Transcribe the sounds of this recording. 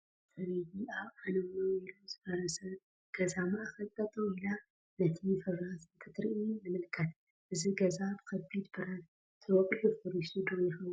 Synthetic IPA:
t̪ʰɐɾijiaβanɐmnoilomzɨfɐɾɐsɐ | ɡ̥ɐzamaxɐlt̪ʼːɐt̪ʼoila | nɐt̪ʰifɐβɾat̪ɨnt̪ʰɨt̪ɾiʔinɨmɨlkʰɐt̪ | ʔɨziɡɐzabkʰɐbid̪bɨɾɐn | t̪ʰɨwɔkʼħufoɾisud̪oiħu

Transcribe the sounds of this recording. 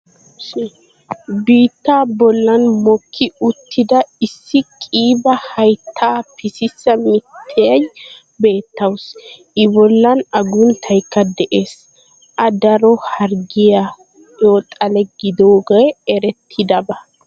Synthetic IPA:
biːt̪ːaːbɔlːɐnmɔkʰːɪʊt̪ʰːɪd̪ɐɪsːɪkʼiːbɐhɐjt̪ʰːaːpʰɪsɪsːɐmɪt̪ʰːɛɐj | be̞ːt̪ːɐws | ɪbɔlːɐnɐɡʊnt̪ʰɐjkːɐd̪ɛʔe̞ːs | ʔɐd̪ɐɾɔhɐɾɡɪja | joːt̪ʼɐlɛɡɪd̪oːɡɐjɛɾɛt̪ʰːɪd̪ɐbɐ

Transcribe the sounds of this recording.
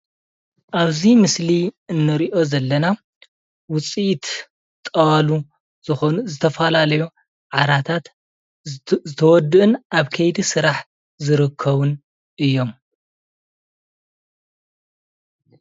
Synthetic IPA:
ʔaβzimɨsliɨnːɨɾiʔo̞zɐlːɐna | wʊt͡sʼiʔt̪ | t̪ʼɐwalu | z̥ɨxonzɨt̪ʰɐfɐlalɐju | ʕaɾat̪ʰat̪ | zɨt̪ʰɐwɔd̪ːɨʔɨnʔaβkʰɐjd̪isɨɾaħ | zɨɾɨkʰːɐβun | ɨjːo̞m

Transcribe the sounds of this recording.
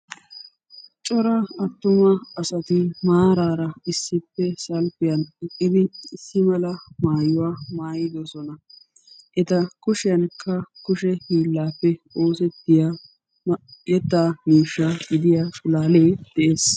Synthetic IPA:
t͡ʃʼɔɾɐɐt̪ːʊmɐɐsɐt̪ɪmaːɾaːɾɐɪsːɪpːɛsɐlfɪjɐnɛkʼːɪd̪ɪsːɪmɐlɐmaːjʊwaːmaːjɪd̪ɔsɔnɐ | ʔɛt̪ɐkʊʃɪjɐnkʰːɐkʊʃɛhiːlːaːpːɛo̞ːsɛt̪ːɪja | jɛt̪ːaːmiːʃːaɡɪd̪ɪjaːʃʊlaːleːd̪̥ɛʔeːs

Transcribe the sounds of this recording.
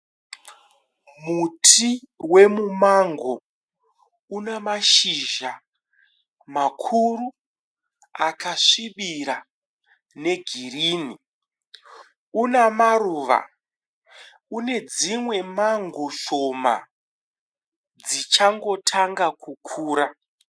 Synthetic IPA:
mutʰiwe̞mumaŋɡo̞ | unamaʃiʒa | makʰuru | akaʂiɓiɾa | ne̞ɡʱiriːni | unamaruːʋa̰ | une̞d͡zimwe̞maŋɡo̞ʃo̞ma̰ | d͡zit͡ʃaŋɡo̞tʰaŋɡakʰukʰuːɾa

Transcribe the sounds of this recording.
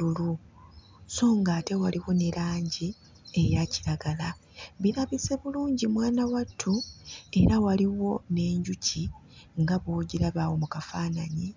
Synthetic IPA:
ulu | so̞ːŋɡaːte̞waliwo̞neɾaːɲɟi | ejaci̥ɾaɡala | βiɾaβise̞βuluːɲɟimwaːnawatʰːue̞ɾawaliwo̞ne̞ːɲɟuci | ŋɡaβoːɟiɾaβawo̞mukafaːnaɲi

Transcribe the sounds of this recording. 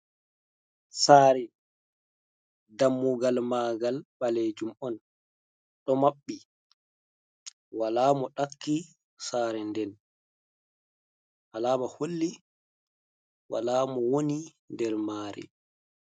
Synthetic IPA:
saːɾɛ | damːuɡalmaːɡalɓaled͡ʒumɔn | ɗɔmaɓːi | walaːmɔɗakːi | saːɾɛndɛn | ʔalaːmaholːi | wa̰laːmɔwoni | ndɛɾmaːɾɛ̰

